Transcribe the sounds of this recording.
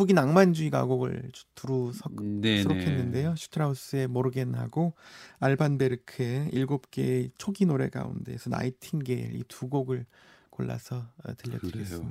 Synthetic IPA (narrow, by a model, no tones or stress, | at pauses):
uɡinaŋmand͡ʑuiɡa̰ɡoɡɯ̰ɭtuɾusʰʌsʰɯɾokʰe̞nːɯnde̞joɕʰu̥tʰɯɾaus͈ɯe̞moɾɯɡe̞nha̰ɡoaɭbanbe̞ɾɯkʰɯe̞iɭɡop̚k͈e̞̰t͡ɕʰoɡinoɾe̞̰ɡa̰ṵnde̞̰sʰʌna̰itʰinɡe̞ḭɭḭtuɡoɡɯɭ | koɭːa̰sʰʌ̰tɯʎːʌ̰ɯɾɡess͈ɯmi